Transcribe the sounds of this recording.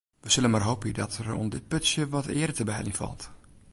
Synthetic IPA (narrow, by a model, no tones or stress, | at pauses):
ʋəsɪlənmarɦoːpədɔtʰəro̰ndɪt̚pøtsjəʋɔtɪːəɾətəbəɛ̰linfɔ̰lˠt